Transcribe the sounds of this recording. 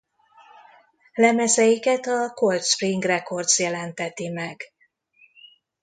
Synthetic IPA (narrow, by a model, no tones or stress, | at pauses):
lɛmɛzɛjikɛt̪ɒko̞lt̪ʃpriŋɡrɛko̞rt̪sjɛlɛnt̪ɛt̪imɛɡ